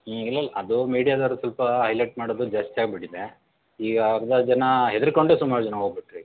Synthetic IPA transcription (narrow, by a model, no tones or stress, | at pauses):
ilːɐlːaɐd̪umiːɽijaːd̪ɐʋɾusɐlpɐɦɐjlɐjʈ̚maːɽod̪ud͡ʒɐsʈaːɡbiɽid̪e | iːɡaɡɐd̪ɐd͡ʒɐnɐɦed̪iɾkoɳɖesumaːɾud͡ʒɐnɐɦoːɡbiʈɾi